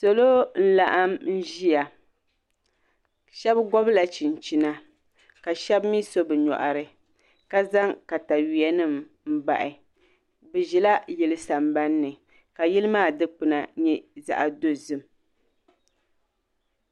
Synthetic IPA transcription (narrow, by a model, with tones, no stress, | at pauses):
so˨lo˦n̩˦la˨ʔa˦mn̩˦ʒi˦ja˨ | ʃɛ˦bɡɔ˦bla˨t͡ʃi˨n˨t͡ʃi˨na˦ | ka˨ʃɛ˦bmi˦so˦bɛ˨ɲɔ̰˨ʔa˨ɾɨ˨ | ka˦za˦ŋka˨ta˨ɥi˨a˦nɨ˦m | m̩˦ba̰˨ʔɪ˨ | bɛ˨ʒɛ˨la˦jɛ˨lɨ˦sa˨mba˦nːɨ˨ | ka˨ji˦lɨ˦maː˦˨dɨ˦k͡pɨ˨na˨ɲɛ˦za̰˨ʔa˨do˦zɨ˦m